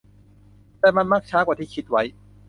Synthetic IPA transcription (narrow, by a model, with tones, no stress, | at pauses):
t̪ɛː˨˩ma˧nmaː˦˥˩k̚t͡ɕʰaː˦˥kwaː˨˩t̪ʰiː˥˩kʰi˦˥t̪̚wa˦˥j